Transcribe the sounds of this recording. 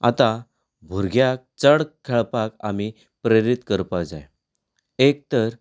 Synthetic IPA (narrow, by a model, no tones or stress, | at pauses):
at̪a | bʱuɾɡjak̚t͡səɽkʰeɭpaka̰mi | pɾeɾit̪kəɾpad͡za̰j | ek̚t̪əɾ